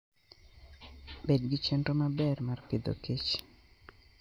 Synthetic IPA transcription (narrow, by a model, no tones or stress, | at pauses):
bedɡit͡ʃɛntomabɛrmarpid̪o̰kit͡ʃ